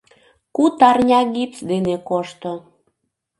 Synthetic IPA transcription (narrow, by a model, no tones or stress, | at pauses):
kut̪ɑrnʲɑɣipsd̪enekoʃt̪o